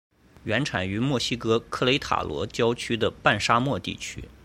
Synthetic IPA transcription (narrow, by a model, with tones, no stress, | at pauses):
ɥɛ˧˥nʈ͡ʂʰa˨˩ny˧˥mwɔ˥˩ɕi˥kɤ˥kʰɤ˥˩le˧˥ɪt̪ʰa̰˨˩lwɔ̰˧˥t͡ɕjɑ˥ʊt͡ɕʰy˥d̪ə˨pa˥˩nʂa˥mwɔ˥˧t̪ḭ˥˩t͡ɕʰy̰˥